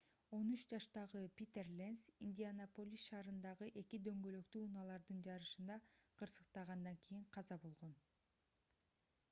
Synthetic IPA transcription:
o̞nyt͡ʃd͡ʒɑʃt̪ɑʁɯpʲit̪erlʲensinʲd̪ʲianopolʲisʃɑːɾɯnd̪ɑʁɯʔe̞kid̪ø̞ŋɡø̞lø̞kt̪yːunɑlˠɑɾd̪ɯnd͡ʒɑɾɯʃɯnd̪ɑqʰɯɾsɯ̥qt̪ɑʁɑnd̪ɑŋkʰijiɴqʰɑzɑbo̞lˠʁo̞n

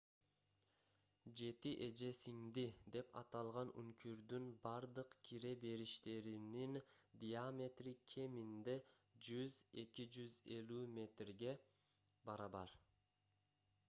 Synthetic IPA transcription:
d͡ʒe̞t̪iʔe̞d͡ʒe̞siŋd̪id̪e̞pɑ̰t̪ɑlˠʁɑny̰ŋkʰyɾd̪ynbɑɾd̪ɯqkʲʰiɾe̞be̞ɾiʃt̪e̞ɾinind̪ijamʲe̞t̪rikʲʰe̞mind̪e̞ | d͡ʒyze̞kid͡ʒyze̞lymʲe̞t̪rɡe̞ | bɑɾɑβɑɾ

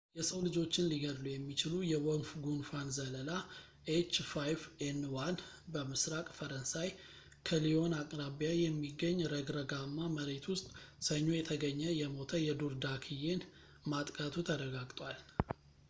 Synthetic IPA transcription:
jɛsəwlɨd͡ʒo̞t͡ʃːɪnliɡəd̪lujɛmːit͡ʃɪlujɛwɔnfɡunfanzələla | ʔet͡ʃːfajvenwan | bəmɨsɾakʼfəɾənsaj | kʰəlio̞nakʼɾaβijajɛmːiɡːəɲːɾəɡɾəɡamːaməɾet̪ʰwʊst̪ʼsəɲːo̞jɛt̪ʰəɡəɲːəjɛmo̞t̪ʰəjɛd̪uɾd̪akʰije̞n | mat̪ʼkʼat̪ʰut̪ʰəɾəɡaɡt̪ʼwal

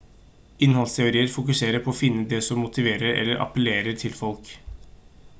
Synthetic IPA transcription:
ɪnhɑlst̪ʰɛʊɾiːəɾfʊkʉseːɾəpʰɔːfɪnːəd̪ɛsɔmːʊt̪ɪʋeːɾəɾɛ̰lːəɾʔɑ̰pəleːɾəʈʰɪlfɔlk

